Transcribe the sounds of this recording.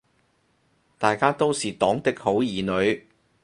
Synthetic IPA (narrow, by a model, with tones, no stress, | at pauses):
t̪aː˨jkaː˥t̪o˥wsiː˨t̪ɔː˨˥ŋt̪ɪ˥k̚ho˨˥wjiː˨nɵ˨˧ɥ